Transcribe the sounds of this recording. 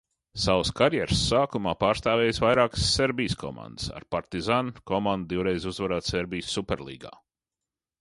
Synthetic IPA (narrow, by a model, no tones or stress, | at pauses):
sawskaɾjɛɾsːaːkumaːpaːɾst̪aːvɛːjsvajɾaːksːeɾbiːjskʰɔ̰mã̰nd̪əsa̰ɾpaɾt̪izankɔmand̪̚d̪iwɾejzuzvaɾaːt̪seɾbijsːupɛɾlˠḭːɡa̰ː